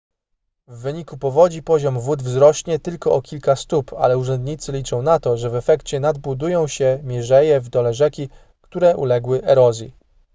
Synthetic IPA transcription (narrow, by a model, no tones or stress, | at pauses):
vːɘɲikupɔvɔd͡ʑipɔʑɔmvud̪vzɾɔɕɲɛt̪ɘlkɔʔɔkʲilkast̪upa̰lɛuʐɛnd̪ɲit̪sɘlʲit͡ʂɔ̃w̃nat̪ɔʐɛvɛfɛkt͡ɕɛnad̪̚bud̪ujɔ̃w̃ɕɛmʲjɛʐɛjɛvd̪ɔlɛʐɛkʲi | kt̪uɾɛʔṵlɛɡwɘʔɛɾɔzʲji